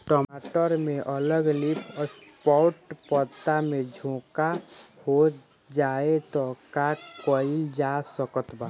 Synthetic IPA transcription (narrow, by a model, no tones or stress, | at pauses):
ʈɔːaʈəɾmẽʔələɡlipʰspɔɾʈpət̪ːamẽd͡ʒʱõkaho | d͡ʒaet̪ɔkakəild͡ʒasəkət̪ba